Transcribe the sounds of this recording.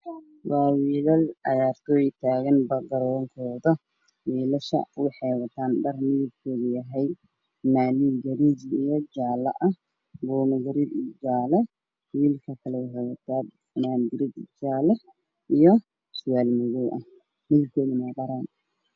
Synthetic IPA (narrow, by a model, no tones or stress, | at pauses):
wɑːwiːlɐlʕɑ̰jaːrt̪ʰɔːjt̪ʰaːɣɐnbɐɡɐɾɔːŋkʰɔːðɐ | wiːlɐʃɐ̰ʊħɛjwɐt̪ʰaːnɖɐrmɪɣɪb̚kʰɔːðɪjɐɦɛj | maːliɡɐɾid͡ʒijɔd͡ʒaːlɐ̰ʔɐh | bɔːnɐɡɐɾidd͡ʒaːlɐ | wiːlkʰɐkʰɐlɛʊhɛwɐt̪ʰaːd | maːnd̪ɪɾɪd̪d͡ʒaːlɐ | ijɔ | sʊjaːlmɪɣɔwʔɐ̰ | mɪɣɪb̚kʰɔːðɪnɐbɐɾaːn